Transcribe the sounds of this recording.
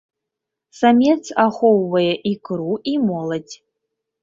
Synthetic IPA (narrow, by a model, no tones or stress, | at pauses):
samʲet͡sʰaχʷowːɐjɛʔikʰʼɨɾuimɔlɐtʲʰʼ